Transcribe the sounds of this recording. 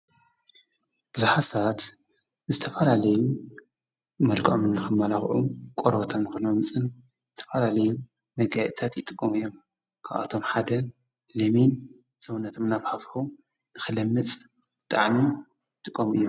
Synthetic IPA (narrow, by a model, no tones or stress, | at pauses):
b̥ɨzuħasat̪ | zɨt̪ʰɐfɐlalɐju | mɐlkʼʔomɨnːɨxɨmːalaxʕukʼoɾot̪ʰamnɨxɨnmɐmɨt͡sʼɨn | zɨt̪ʰɐ̥fɐlalɐju | mɐɡajt̪ʰat̪jɨt̪ʼɨkʼːomɨjːom | kʰaβa̰t̪ʰo̞mħad̪ɐ | lɐmin | z̥ɐwunːɐt̪ʰomnaβhafħu | nɨxɨlɐmːɨt͡sʼb̥ɨt̪ʼaʕmi | ɨt̪ʼɨkʼːomɨ̰jːom